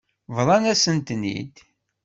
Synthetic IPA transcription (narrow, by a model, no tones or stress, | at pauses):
vðˤɑnæsənt̪nḭd̪